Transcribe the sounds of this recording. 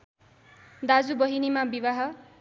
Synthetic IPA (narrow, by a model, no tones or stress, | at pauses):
d̪ad͡zubʌɦinimabibaɦʌ